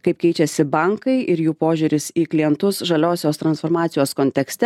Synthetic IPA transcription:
kɐɪp̚kʲɛɪt͡ʃʲɛsʲɪbɐŋkɐɪʔɪɾjuːpoːʒʲuːɾʲɪsiːklʲɪjɛnt̪ʊsʒɐlʲoːsʲoːst̪ɾɐnsfoːɾmɑːt̪sʲɪjoːskoːnʲt̪ʲɛksʲt̪ʲɛ

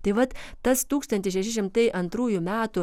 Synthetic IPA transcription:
t̪ɐɪʋɐt̪t̪ɐst̪uːkst̪ɐnʲt̪ʲɪʃʲɛʃʲɪʃ̬ʲɪmt̪ɐɪʔɐnt̪ɾuːjʊmʲæːt̪ʊ

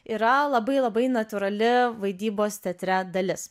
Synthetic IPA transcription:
iːɾɐlˠɐbɐɪlˠɐbɐɪnɐt̪ʲʊɾɐlʲɪʋɐɪd̪ʲiːboːst̪ʲɛt̪ʲɾʲɛd̪ɐlʲɪs

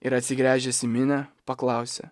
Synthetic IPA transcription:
ɪɾɐt̪ʲsʲɪɡɾʲæːʒʲɛsʲɪmʲɪnʲɛpɐklˠɑˑʊsʲɛ̰

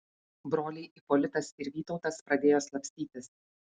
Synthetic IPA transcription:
bɾoːlʲɛɪʔipɔːlʲɪt̪ɐsɪɾʋʲiːt̪ɒʊt̪ɐspɾɐd̪ʲeːjoːslˠɐpʲsʲt̪ʲiːt̪ʲɪs

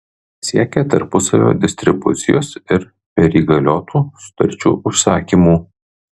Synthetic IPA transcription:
sʲiɛkʲɛt̪ɐɾpʊsɐʋʲo̰ːd̪ʲɪsʲt̪ʲɾʲɪbʊ̰t̪sʲɪjoːsɪɾ | pʲɛɾʲiːɡɐlʲoːt̪ʰuːsʊ̥t̪ɐ̰ɾʲt͡ʃʲṵːʔʊʃsɑːkʲiːmuː

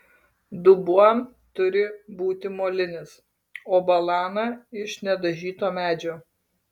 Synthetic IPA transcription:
d̪ʊbuɔm | t̪ʊɾʲɪbuːt̪ʲɪmoːlʲɪnʲɪs | oːbɐlˠɑːnɑɪʃnʲɛd̪ɐʒʲiːt̪oːmʲæːd͡ʒʲoː

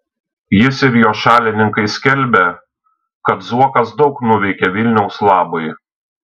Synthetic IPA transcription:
jɪsɪɾjoːʃɑːlʲɪnʲɪŋkɐɪsʲkʲɛlʲˑbʲɛ | kɐt̪zuɔkɐsd̪ɒʊknʊʋʲɛɪkʲɛʋʲɪlʲnʲɛʊslˠɑːboɪ

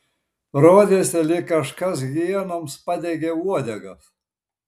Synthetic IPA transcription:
ɾoːd̪ʲeːsʲɛlʲɪkɐʃkɐs̬ɡʲiɛnomspɑd̪ʲeɡʲeːuɔd̪ʲɛɡɐs

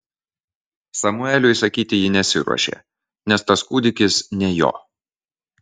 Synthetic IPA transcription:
sɐmʊɛlʲʊɪsɐkʲiːt̪ʲɪjɪnʲɛsʲɪ̰ɾṵɔ̰ʃʲḛː | nʲɛst̪ɐskuːd̪ʲɪkʲɪsnʲɛjo̰ː

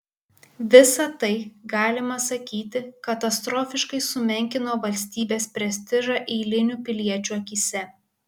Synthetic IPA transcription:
ʋʲɪsɐt̪ɐɪɡɑːlʲɪmɐsɐkʲiːt̪ʲɪkɐt̪ɐst̪ɾoːfʲɪʃkɐɪsʊmʲɛŋʲkʲɪnoːʋɐlʲsʲt̪ʲiːbʲeːspʲɾʲɛsʲt̪ʲɪʒɑʔɛɪlʲɪnʲupʲɪlʲiɛt͡ʃʲuɐkʲiːsʲɛ

